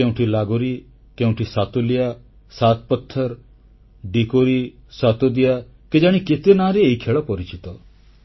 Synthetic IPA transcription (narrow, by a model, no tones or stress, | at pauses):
ẽw̃ʈʰilaɡoɾi | kẽũʈʰisat̪olija | sat̪̚pɔt̪ʰːəɾ | ɖikoɾisat̪od̪ija | ked͡ʒaɽ̃iket̪enaɾeeikʰeɭɔpɔɾit͡ʃit̪ɔ